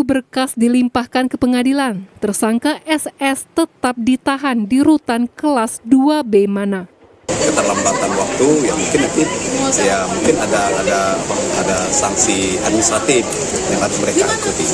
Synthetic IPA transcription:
ubərkasdilimpahkankəpəŋadilant̪ərsaŋkaʔɛsɛst̪ət̪ap̚dit̪aɦandiɾut̪ankəlasduabemana | kət̪ərlambat̪anwak̚t̪ujamuŋkɪnaijamuŋkɪnadaːdaapaadasaŋsia̰d̚minisɾat̪ɪf | jaŋadaməɾekakut̪i

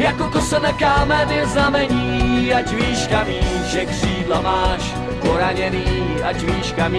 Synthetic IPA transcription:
jakot̪osɛnakaːmɛnɪznamɛɲiːad͡ʒviːʃkamiːʒɛkr̥iːdlamaːʃ | poɾaɲɛniː | ad͡ʒviːʃkamiː

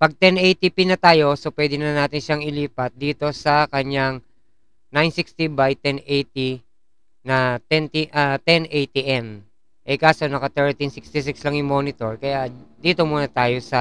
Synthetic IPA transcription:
pɐɡ̚t̪ɛnʔejt̪ipinɐt̪aːjo̞sopwɛːd̪ɪnɐnaːt̪ɪnʃaŋɪliːpɐt̪̚d̪iːt̪o̞sɐkɐɲaŋ | najnsɪkst̪ibajt̪ɛnejt̪i | nɐt̪ɛnt̪iʔɐt̪ɛnʔɛjt̪iʔɛn | ʔɛjkaːso̞nɐkɐt̪ɛɹt̪insɪkst̪ɪs̬ɪkslɐŋjʊŋmo̞ːnɪt̪o̞ɹkɐjad̪iːt̪o̞muːnɐt̪aːjo̞sɐ

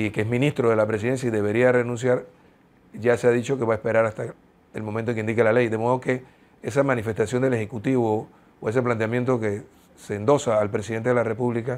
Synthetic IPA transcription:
ikeeɦmĩnist̪ɾo̞ðe̞lapɾes̬iðe̞ns̬jaiðe̞β̞e̞ɾiare̞nũns̬jaɾ | ʝaseaðit͡ʃo̞ke̞βae̞spe̞ɾaɾast̪a | elmõmẽnt̪oeŋkind̪ikelale̞jd̪e̞mo̞ð̞o̞ke̞ | esamãnife̞st̪asjond̪ele̞xekut̪iβo | oe̞s̬e̞p̬lant̪eamje̞nt̪̬oke | seːnd̪o̞saːlpɾe̞siðet̪eðelare̞puβlika

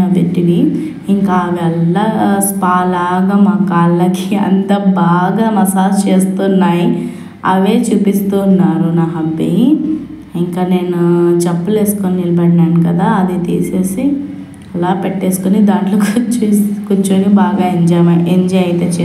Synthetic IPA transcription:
ɐbeʈːini | iŋkaːʋɛlːaspaːlaːɡaːmaːkaːlːɐkʰiɐ̰nt̪aːbaːɡaːmɐsaːst͡ʃe̞ːst̪unːaːji | ɐ̰ʋe̞ːt͡ʃuːpist̪uːnːaːɾunaːɦɐmpḭ | iŋkaːne̞ːnut͡ʃɐpːule̞ːsu̥koninilɐbɐɽnaːɳnukɐd̪aːɐd̪it̪ḭːseːsi | ɐlaːpeʈːe̞ːsu̥konid̪aːɳʈloːkt͡ʃukut͡ʃːonibaːɡaːeɲd͡ʒɐmaʔeɲd͡ʒɐjɐjt̪eːt͡ʃe

